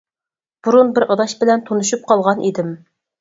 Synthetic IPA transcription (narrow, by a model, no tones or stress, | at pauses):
b̥uɾunbɪɾʔɑd̪ɑʃbɪlɛnt̪ʰonuʃup̚qʰɑlˠʁɑnʔid̪ɪm